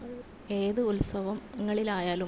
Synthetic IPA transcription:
e̞ːðɨulsɐʋɐmɐŋːɐɭilaːjaːlu

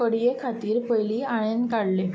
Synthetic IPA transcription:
əɽijekʰat̪iːɾpəjliaɭenkaɽle

